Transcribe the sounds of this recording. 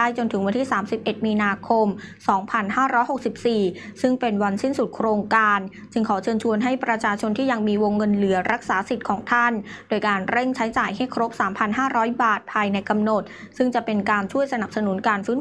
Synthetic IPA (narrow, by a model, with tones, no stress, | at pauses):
aː˥˩jt͡ɕo˧nt̪ʰɯ˩˦ŋwa˧nt̪ʰiː˥˩saː˩˦msi˨˩p̚ʔe˨˩t̪̚miː˧naː˧kʰo˧msɔː˩˦ŋpʰa˧nɦaː˥˩ɾɔː˦˥jho˨˩k̚si˨˩p̚siː˨˩sɯ˥˩ŋpe˧nwa˧nsi˥˩nsu˨˩t̪̚kʰɾoː˧ŋkaː˧n | t͡ɕɯ˧ŋkʰɔː˩˦t͡ɕʰɤː˧nt͡ɕʰu˧ənɦa˥˩jpɾa˧t͡ɕʰaː˧t͡ɕʰo˧nt̪ʰiː˥˩ja˧ŋmiː˧wo˧ŋːɤ˧nlɯ˩˦ɐɾa˦˥k̚saː˩˦si˨˩t̪̚kʰɔː˩˦ŋt̪ʰa˥˩ndoː˧jkaː˧nɾe˥˩ŋt͡ɕʰa˦˥jt͡ɕaː˨˩jha˥˩jkʰɾo˦˥p̚saː˩˦mpʰa˧nɦaː˥˩ɾɔː˦˥jbaː˨˩t̪̚pʰaː˧jna˧jka˧mno˨˩t̪̚ | sɯ˥˩ŋt͡ɕa˨˩pe˧nkaː˧nt͡ɕʰu˥˩əjsa˧na˨˩p̚sa˧nu˩˦nkaː˧nfɯː˦˥n